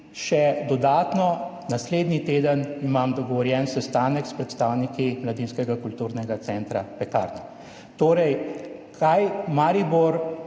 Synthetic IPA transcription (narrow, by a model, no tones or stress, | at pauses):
ʃɛd̪ɔd̪aːt̪nɔ | nasleːd̪nit̪eːd̪ənimamd̪ɔɡɔʋɔɾjɛnsɛst̪aːnəkspɾɛt̪st̪aːwnikimlad̪inskɛɡakult̪uːɾnɛɡat̪sɛnt̪ɾapɛka̰ːɾnɛ | t̪oːɾɛjkʰajmaɾiboɾ